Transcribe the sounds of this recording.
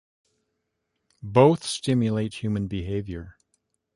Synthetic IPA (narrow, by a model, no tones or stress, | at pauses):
boʊθstɪ̃mjɨleɪt̚hjʉmɨ̃nbiɦeɪvjə˞